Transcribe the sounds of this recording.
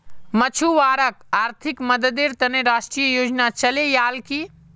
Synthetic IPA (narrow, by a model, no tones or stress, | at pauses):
mət͡ʃʰuʋaːɾəkaːɾt̪ʰɪkmɐd̪əd̪eːɾt̪ɐneɾaːʃʈɾijəjoːd͡ʒnat͡ʃɐlejaːlki